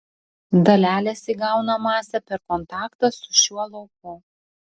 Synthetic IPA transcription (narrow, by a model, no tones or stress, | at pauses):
d̪ɐlʲæːlʲɛsʲiːɡɑˑʊnɐmɑːsʲɛpʲɛɾkɔnt̪ɑːkt̪ɐsʊ̥ʃʲuɔlˠɐʊkʊ